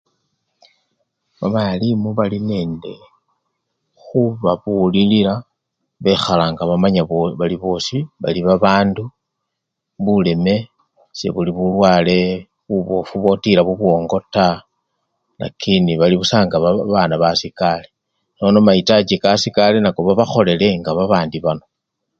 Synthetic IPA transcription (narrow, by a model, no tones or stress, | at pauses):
βaβalimuβaline̞ːnde̞ | xuβaβulilila | βe̞xalaŋɡaβamaɲaβoβaliβo̞ːsiβa̰liβaβaːndu | βule̞me̞ | se̞̰βuliβulwaːle̞ | βuβofuβo̞tilaβuβwo̞ːŋɡo̞ta | na̰kʰiniβaliβusaːŋɡaβaβaːnaβasikale̞ | no̞no̞maitad͡ʒikasikalenako̞βaβaxo̞le̞le̞ŋɡaβaβaːndiβano